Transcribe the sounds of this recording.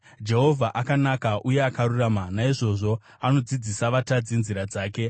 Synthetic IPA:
d͡ʒe̞ɦo̞vʱaʔakanakaʔujeakaɾuraːmanaiʐo̞ʐo̞ | ano̞d͡zid͡zisaʋatad͡zinziɾad͡zaːke̞

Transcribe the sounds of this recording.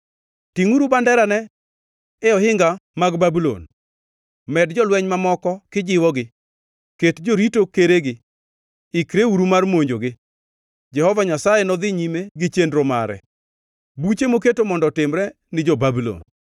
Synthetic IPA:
tiŋuɾubandɛɾanɛ | ɛɔhɪŋɡamaɡbabulo̰n | mɛdd͡ʒɔlwɛɲmamɔkɔkɪd͡ʒɪwɔɡɪ | ketd͡ʒoɾitokeɾeɡɪ | ɪkɾeuɾumarmoɲd͡ʒoɡɪ | d͡ʒɛhɔvaɲasajenɔd̪ɪɲimeɡɪt͡ʃendɾoma̰ɾɛ̰ | but͡ʃemok̬etomɔndɔtɪmɾɛ | nɪd͡ʒɔbabulo̰n

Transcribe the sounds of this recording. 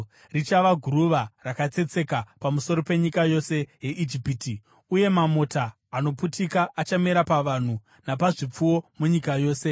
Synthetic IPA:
rit͡ʃaʋaɡʱuɾuʋarakat͡se̞t͡se̞kapamuso̞ɾo̞pe̞ɲikajo̞se̞je̞ʔid͡ʒipiːti | uje̞mamo̞taː | no̞putikaat͡ʃameɾapaʋan̤u | napaʐip͡fuwo̞muɲikajo̞ːse̞

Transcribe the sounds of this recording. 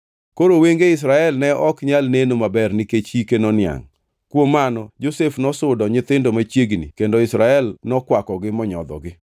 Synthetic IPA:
koɾoweŋɡeɪs̬ɾaɛlnɛɔkɲalnenomabɛrnɪket͡ʃikenɔnɪa̰ŋ | kwomːanɔd͡ʒosefnɔsʊdɔɲɪt̪ɪndomat͡ʃjeɡnḭkendoɪsɾaɛlnɔkwakɔɡɪmɔɲɔ̰d̪ɔ̰ɡɪ

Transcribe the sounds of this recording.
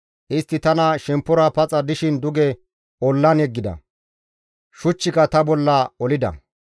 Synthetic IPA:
ʔɪst̪ːɪt̪ɐnɐʃɛmpːʊɾɐpɐt͡sʼɐd̪ɪʃɪnd̪ʊɡɛ | ɔlːɐnɛɡːɪd̪ɐ̰ | ʃʊt͡ʃːɪkɐt̪ɐbɔlːɐɔlɪd̪ɐ̰

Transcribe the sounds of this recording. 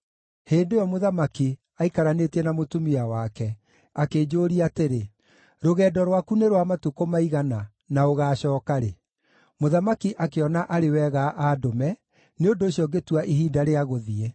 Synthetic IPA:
heːndejɔmoðamaki | aikaɾaneːtɛnamotumiawakɛ | akeːd͡ʑoːɾiateɾe | ɾoɣɛːdɔɾwakuneɾwamatukomaiɣana | naoɣaːɕɔːkaɾe | moðamakiʔakeɔnaʔaɾewɛɣaʔaːdomɛ | neondoːɕiɔɡetuaʔiɦiːdaɾeaɣoðiɛ

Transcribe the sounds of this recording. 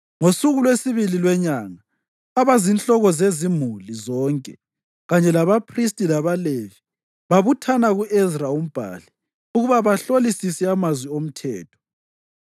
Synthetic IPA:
ŋosuɣulwesiβililwɛɲaŋaː | βazint͡ɬʼɔɣɔzezimulizɔːŋkʼɛ | ɣaɲɛlaβapʰristʼilaβalevi | βaβutʰanaɣuʔɛzraum̩b̥ʱa̰li | uɣuβaβaɬolisisɛamazwiom̩tʰɛ̰ːtʰɔ̥

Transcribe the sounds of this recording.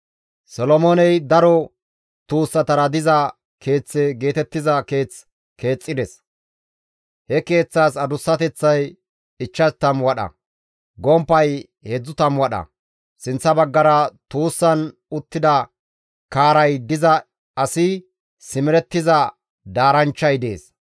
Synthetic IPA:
sɔlɔmoːnɛjd̪ɐɾɔ | t̪uːsːɐt̪ɐɾɐd̪ɪzɐ | kʰe̞ːt͡sːɛɡe̞ːt̪ɛt̪ːɪzɐke̞ːt͡s | ke̞ːt͡sʼːɪd̪ɛs | hɛke̞ːt͡sːaːsɐd̪ʊsːɐt̪ɛt͡sːɐj | ɪt͡ʃːɐt̪ɐmwɐɗɐ̰ | ɡɔmpːɐj | hɛd͡zːʊt̪ɐmwɐɗɐ̰ | sɪnt͡sːɐbɐɡːɐɾɐt̪uːsːɐn | ʊt̪ːɪd̪ɐ | kaːɾɐjd̪ɪzɐ | ɐsɪ | sɪmɪɾɛt̪ːɪzɐ | d̪aːɾɐnt͡ʃːɐjd̪eːs

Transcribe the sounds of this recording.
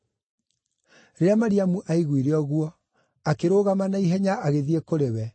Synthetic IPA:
ɾeamaɾiamuʔaiɣwiɾeɔɣwɔ | akeɾoːɣamanaiɦɛɲaʔaɣeðiekoɾewɛ

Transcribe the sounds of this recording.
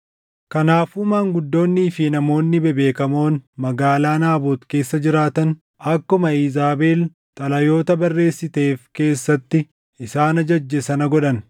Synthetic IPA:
kɐnaːfumaːŋɡʊd̪ːo̞ːnːiːfɪnɐmo̞ːnːɪbɛbe̞ːkɐmo̞ːnmɐɡaːlaːnaːboːt̪ke̞ːsːɐd͡ʒɪɾaːt̪ɐn | ɐkːʊmɐiːzaːbe̞ːl | t̪ʼɐlɐjo̞ːt̪ɐbɐrːe̞ːsːɪt̪e̞ːfke̞ːsːɐt̪ːɪ | ɪsaːnɐd͡ʒɐd͡ʒːɛsɐnɐɡɔᶑɐn

